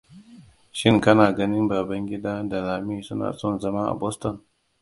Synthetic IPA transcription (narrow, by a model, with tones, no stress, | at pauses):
ʃɪ˦ŋkɐ˦naː˨ɡɐ˦nɪ˦mbaː˨bɐ˦ŋɡʲɪ˦daː˦da˨laː˨miː˦sʊ˦na̰ː˨sɔ˦˨nzɐ˦ma˦ʔa̰˨bɔ˦stɔ˨n